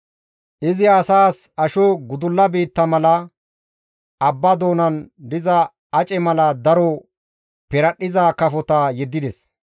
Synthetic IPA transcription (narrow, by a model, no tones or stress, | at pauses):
ʔɪzɪɐsaːsɐʃɔɡʊd̪ʊlːɐbiːt̪ːɐmɐlɐ | ɐbːɐd̪oːnɐnd̪ɪzɐ | ɐt͡ʃʼɛmɐlɐd̪ɐɾɔ | pɛɾɐɗɪzakɐfɔt̪ɐjɛd̪ːɪd̪ɛs